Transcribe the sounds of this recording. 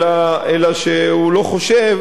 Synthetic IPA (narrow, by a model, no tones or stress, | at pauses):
aelaʃeulo̞χo̞ʃev